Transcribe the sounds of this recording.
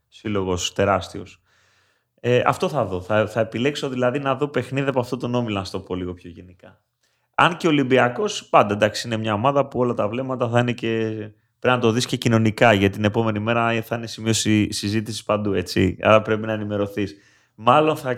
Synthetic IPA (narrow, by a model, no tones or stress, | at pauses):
silo̞ɣo̞st̪e̞ɾɐst̪io̞s | eɐ̰ft̪o̞θɐðo̞θɐθɐe̞pile̞kso̞ðilɐðinɐðo̞pe̞xniðiɐpɐft̪ot̪ono̞milonɐst̪o̞po̞liɣo̞pço̞ʝe̞nikɐ | ɐnce̞o̞limbiɐko̞spɐnd̪ɐend̪ɐksi̥ine̞mɲɐo̞mɐðɐpuo̞lɐt̪ɐvle̞mɐt̪ɐθɐinece | pɾiznɐt̪o̞ðisce̞cino̞nikɐʝɐt̪it̪ine̞po̞me̞nime̞ɾɐiθɐine̞simiossizit̪isi̥spɐnd̪ue̞t͡sḭɐ̰ɾɐpɾe̞pinɐenime̞ɾo̞θis | mɐlo̞nθɐ